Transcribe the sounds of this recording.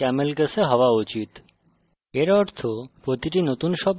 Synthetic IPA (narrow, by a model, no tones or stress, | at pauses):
ɛmelkəsʰeɦɔoaut͡ɕit̪ | eɾɔɾt̪ʰopɾot̪iʈinot̪unʃɔb